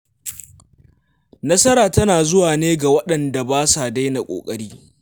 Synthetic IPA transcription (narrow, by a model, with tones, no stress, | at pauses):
nɐ˦sɐ˦ɾaː˨tɐ˦naː˨zʊ˦waː˨neː˦ɡa˨wɐ˦ɗɐ˨nda˨baː˦sa˨da˦jna˨kʷʼo̰ː˨kʼɐ˦ɽiː˦